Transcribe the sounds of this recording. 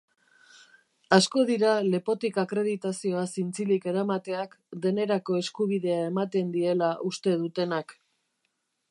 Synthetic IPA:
asko̞ðiɾale̞po̞t̪ikakɾe̞ðit̪asio̞asint͡silike̞ɾamat̪e̞akd̪e̞ne̞ɾako̞e̞skuβiðe̞ae̞mat̪e̞nd̪ie̞laʔust̪e̞ðut̪e̞nak

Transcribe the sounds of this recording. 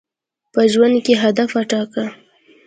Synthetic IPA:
pəʒwand̪̚keɦad̪afaʈɑka

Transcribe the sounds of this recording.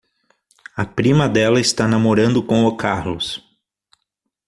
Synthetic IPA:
ɐpɾĩmɐd̪ɛlɐɪst̪anamoɾɐ̃nd̪ʊkõw̃okʰaɾlʊs

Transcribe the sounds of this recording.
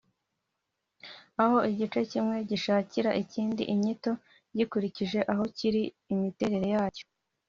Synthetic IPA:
aho̞iɟit͡ʃe̞cimŋe̞ɟiʃaːciɾaʔiciːndḭʔiɲito̞ | ɟikuɾiciʒe̞ʔaɦo̞ciɾiː | mite̞ːɾe̞ɾe̞jaːco̥

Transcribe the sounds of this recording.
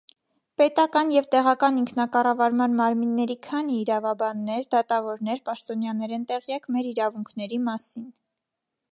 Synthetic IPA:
pɛt̪ɑkɑnjɛvt̪ɛʁɑkɑniŋkʰnɑkɑrɑvɑɾmɑnmɑɾminːɛɾikʰɑniːɾɑvɑbɑnːɛɾd̪ɑt̪ɑvɔɾn̪ɛɾpɑʃt̪ɔnjɑnɛɾɛnt̪ɛʁjɑkmɛɾiɾɑvuŋkʰn̪ɛɾimɑsin

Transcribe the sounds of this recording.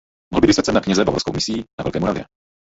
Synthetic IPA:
mɔɦl̩bɪdist̪att͡sɛnakɲɛzɛva̰vɔɾsko̰wmɪsiːna̰vɛ̰lkɛːmuɾavjɛ̰

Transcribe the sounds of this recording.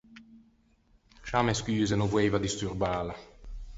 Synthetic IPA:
ʃaːmeskyːzenovweːvad̪ist̪urbaːla

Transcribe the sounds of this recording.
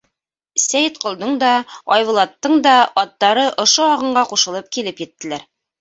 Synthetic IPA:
sæjɘt̪qŏlˠd̪ɤɴd̪ɑɑjβŭlˠɑt̪ːɤɴd̪ɑɒt̪ːɑɾɤʔŏʃoɑʁɤ̆ɴɢɑquʃɤ̆lˠɤp̚kilɘpjɘ̆t̪ːɘ̆læɾ

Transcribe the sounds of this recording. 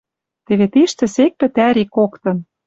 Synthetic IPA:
t̪ĕβet̪iʃt̪ɘ̆sek̚pɘ̆t̪æɾikokt̪ɤ̆n

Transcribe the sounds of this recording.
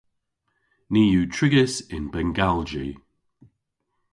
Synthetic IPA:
niːjuːtʰɹ̥ɪɡəsɪnbɛŋɡald͡ʒi

